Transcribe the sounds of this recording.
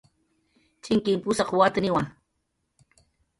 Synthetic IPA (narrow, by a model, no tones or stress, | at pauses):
t͡ʃɪŋkɪmpʊsɑχwat̪nɪwaŋ